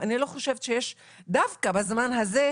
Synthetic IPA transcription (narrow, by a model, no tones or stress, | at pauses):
anilo̞χo̞ʃevʃe̞jeʃ | d̪afkabazmanɦaze